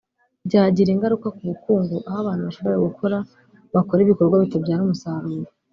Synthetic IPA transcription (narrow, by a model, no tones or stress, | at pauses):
bɟaːɟiɾiŋɡaɾukakuβukuːŋɡuʔahaβaːn̥huβaʃo̞βo̞ɾeɡukʰo̞ɾa | βakoɾiβiko̞ɾɡwaβitobɟaːɾiumusaɾuːɾo